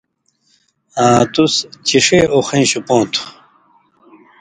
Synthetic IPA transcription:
ãːt̪ust͡ɕiʂeoxĩnɕupõːt̪ʰu̥

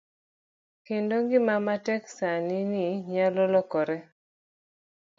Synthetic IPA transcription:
kendoŋɡɪmamatɛksanɪnɪɲalɔlɔkɔɾɛ

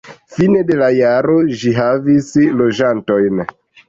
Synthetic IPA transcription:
fine̞de̞lajaɾo̞ʒiɦavislo̞d͡ʒanto̞jn

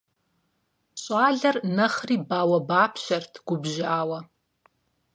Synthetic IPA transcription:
ɕʼaːɮɐrnɐχriːbaːwɐbaːpʰɕɐrtʰɡ̥ʷʊbʒaːwɐ

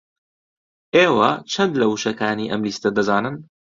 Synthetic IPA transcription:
ʔeːwɐt͡ʃʰɐnd̪lɐwuʃɐkaːniːʔɐmliːst̪ɐd̪ɐzaːnɨn

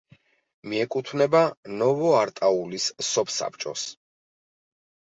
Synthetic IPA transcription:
miɛkʼut̪ʰvnɛbanɔvɔaɾt̪ʼaulisːɔpʰsa̰p̚ʰt͡ʃʼɔ̰s

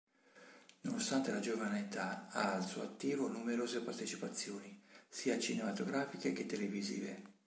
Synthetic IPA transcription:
nonost̪ant̪elad͡ʒovaneet̪aaːlsuat̪ːiːvonumeɾoːzepart̪et͡ʃipat̪sːjoːnisiːat͡ʃinemat̪oɡɾaːfikek̟et̪ːelevizḭːve

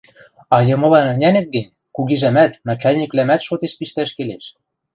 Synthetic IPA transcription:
ɑjɤ̆mɤ̆lɑnɘ̆nʲænɘ̆k̪̚ɡɘ̆nʲ | kuɣiʒæmæt̪mæt͡ʃælʲnʲiklæmæt̪ʃot̪eʃpiʃt̪æʃkeleʃ

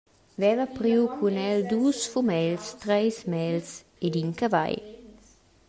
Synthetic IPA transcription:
vɛvapɾiwkʰunɛld̪uːsfumɛlst̪ɾɛjsmɛls | ed̪inkava̰j

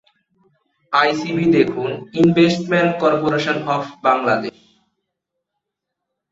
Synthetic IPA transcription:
ajsibid̪ekʰuninbesʈmeɳʈkɔɾpoɾeʃonɦɔfbaŋlad̪eʃ

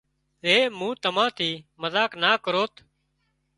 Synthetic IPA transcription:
ɾeːmũːt̪əmãːt̪ʰiːməzaːknaːkəɾoːt̪ʰ

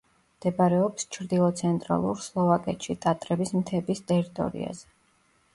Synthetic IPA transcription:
md̪̥ɛbaɾɛɔpst͡ʃʰɾd̪ilˠɔt̪sʰɛnt̪ʼɾa̰lˠṵɾslˠɔvakʼɛt̪ʃit̪ʼat̪ʼɾɛbismt̪ʰɛbist̪ʼɛɾit̪ʼɔ̰ɾḭa̰zɛ

